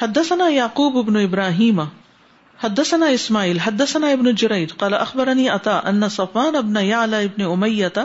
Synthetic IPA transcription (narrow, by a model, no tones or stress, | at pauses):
hɐd̪ːɐsɐnaːjaʕquːbɪbnʊɪbɾaːɦiːm | hɐd̪ːɐsɐnaːɪsmaːʕiːlɦɐd̪ːɐsɐnaːɪbnʊd͡ʒʊɾɐjd̪qɑːlaʔɐxbɐɾɐniːʔɐt̪aːʔɐ̰nːɐsɐfːaːnɐbnɐjaʕlaːɪbnɪʊmɐjːɐt̪a